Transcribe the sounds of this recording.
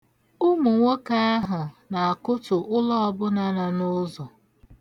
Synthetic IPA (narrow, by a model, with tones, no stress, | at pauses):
ʊ˦mu˨ŋʷo˦ka˦a˦ɦʊ˨na˨a˨kʊ˦tʊ˨ʔʊ˦lɔ˦ɔ˦bʊ˦na˦na˨nʊ˦zo˨